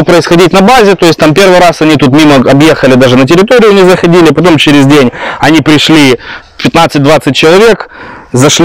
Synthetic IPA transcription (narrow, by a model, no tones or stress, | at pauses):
pɾəɪsxɐdʲitʲnɐbazʲɪt̪o̞ɪsʲt̪ampʲe̞rvɨjɾasɐnʲit̪ut̪mʲiməɐbje̞xəlʲɪd̪aʐɨnətʲɪɾʲɪt̪o̞ɾʲɪjʊɐnʲixzəxɐdʲilʲɪpɐt̪o̞mt͡ɕɪɾʲɪzʲdʲenʲɐnʲipɾʲɪʂlʲi | pʲɪt̪nat̪sɨt̚ʲd̪vat̪sɨt̚ʲt͡ɕɪlˠɐvʲe̞kzɐʂlʲ